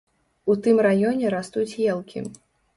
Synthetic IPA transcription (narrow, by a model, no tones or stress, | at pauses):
ut̪ɨmrajɔnʲɛɾast̪ut͡sʲjɛlˠkʲʰḭ